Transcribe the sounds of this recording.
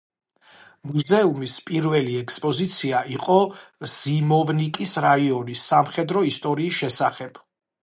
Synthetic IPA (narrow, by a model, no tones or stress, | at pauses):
muzɛumispʼiɾvɛliɛkʰspʼɔzit̪sʰiaʔiqʼɔz̥imɔvnikʼisɾaiɔnisːamχɛd̪ɾɔist̪ʼɔɾiːsʃɛsaχɛb̥